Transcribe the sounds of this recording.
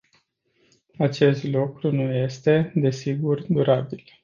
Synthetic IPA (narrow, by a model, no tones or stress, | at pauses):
at͡ʃe̞st̪lukɾunuje̞st̪e̞d̪e̞siɡurd̪uɾabil